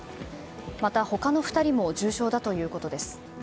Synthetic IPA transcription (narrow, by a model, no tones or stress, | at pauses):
mat̪aho̞kano̞ɸɯ̟̥t̪aɾʲimo̞ʑɨːɕo̞ːd̪at̪o̞jɯ̟ːko̞t̪o̞d̪e̞sɨ̥